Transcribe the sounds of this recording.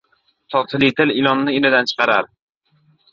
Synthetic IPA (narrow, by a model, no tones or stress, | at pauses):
t̪ʰɒt̪ʰɪlit̪ʰɪlɪlˠɒnːɪɪnɪd̪ant͡ʃʰɨ̥qɑɾaɾ